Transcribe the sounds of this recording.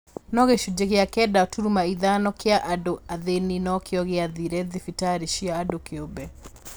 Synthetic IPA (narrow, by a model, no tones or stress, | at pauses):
nɔɣeʃud͡ʒeɣɪakɛdaɔtuɾumaiðanɔkɪaʔadoaðeninɔkɪɔɣɪaðiɾɛðɪfitaɾiʃiaːdokɪobɛ